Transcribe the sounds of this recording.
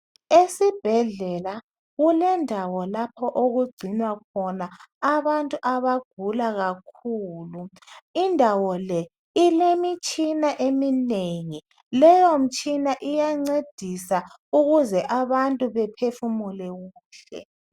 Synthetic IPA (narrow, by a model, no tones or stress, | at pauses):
esib̥ʱɛɮɛla | ɣulɛndʱawɔlapʰɔʔoɣuɡ͡ǀʱinwakʰɔnaːβantʼuʔaβaɡ̥ʱulaɣakʰuːlu | indʱawɔlɛ | ilemit͡ʃʼinaʔemineŋi | lɛjom̩t͡ʃʼinaʔijaŋ͡ǀed̥ʱisa | uɣuzɛʔaβantʼuβɛpʰefumulɛɣuːɬɛ̰